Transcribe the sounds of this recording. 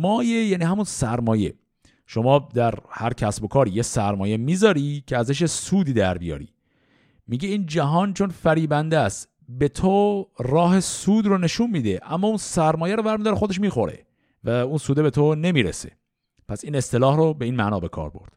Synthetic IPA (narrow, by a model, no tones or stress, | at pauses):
mɒːjejæːniːhæmunsæɾmɒːje̞̰ | ʃo̞mɒːd̪æɾhæɾcʰæsbo̞kʰɒːɾijesæɾmɒːje̞miːzɒːɾicʰeæzæʃ̬jesuːd̪iːd̪æɾbijɒ̰ːɾḭː | miːɟeiːnd͡ʒæɦɒːnt͡ʃʰo̞nfæɾiːbænd̪æst̪ | be̞t̪ʰorɒːhe̞suːd̪rone̞ʃunmiːd̪eʔæmːɒːunsæɾmɒːjæɾovæɾmid̪ɒːɾexo̞d̪eʃ̬miːxo̞ɾe̞̰ | væunsuːd̪ebe̞t̪ʰone̞miːɾḛse̞̰ | pʰæsiːne̞st̪e̞lɒːhɾobe̞iːnmæʔnɒːbe̞kʰɒ̰ːɾbo̞̰ɾd̪̥